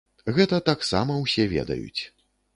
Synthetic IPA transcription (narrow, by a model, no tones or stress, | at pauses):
ɣɛt̪ɐt̪aksa̰mɐwsʲɛvʲɛ̰d̪ɐ̰jṵt͡sʲ